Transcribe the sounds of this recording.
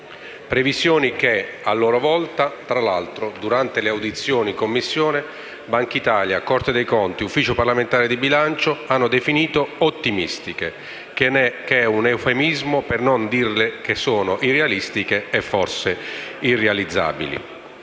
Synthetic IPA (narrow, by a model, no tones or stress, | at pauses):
pɾevisjɔːnikealːɔːɾovɔlt̪at̪ɾalalt̪ɾod̪uɾant̪eleawd̪it̪sːjɔːnikomːisːjɔːne | baŋkit̪aːljakɔrt̪ed̪ejkɔnt̪iufːiːt͡ʃoparlament̪aːɾed̪ibilant͡ʃoanːod̪efiniːt̪oot̪ːimḭst̪ik̟e | kɛunewfemizmopernond̪irlekesːoːnoʔirealist̪ik̟eɛfːɔrseirːealid̪zːa̰ːbḭlḭ